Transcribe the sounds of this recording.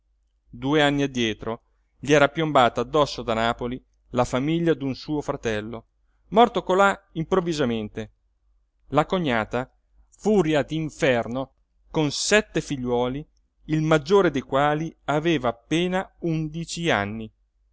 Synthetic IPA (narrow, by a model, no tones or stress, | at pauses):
d̪uːeanːiad̪ːjɛːt̪ɾo | ʎiɛːɾapjombaːt̪aːd̪ːɔsːod̪anaːpoli | lafamiʎːad̪unsuːofɾat̪ɛlːo | mɔrt̪okolaimpɾovːizament̪e | lakoɲːaːt̪a | fuːɾjad̪iɱfɛrno | konsɛt̪ːefiʎːwɔːliː | lmad͡ʒːoːɾed̪ejkwaːliaveːvaːpːeːnaund̪it͡ʃia̰nːi